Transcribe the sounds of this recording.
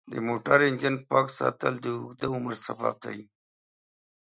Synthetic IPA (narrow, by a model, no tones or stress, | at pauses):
d̪ə̰moʈaɾɪnd͡ʒənpɑːksɑ̰ːt̪əld̪əʊɡd̪aʊməɾsaba̰ːb̚d̪a̰i